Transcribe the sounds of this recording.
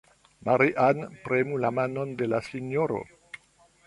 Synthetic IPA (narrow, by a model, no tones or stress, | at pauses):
maɾiʔanpɾemulamano̞nde̞lasinjoɾo̰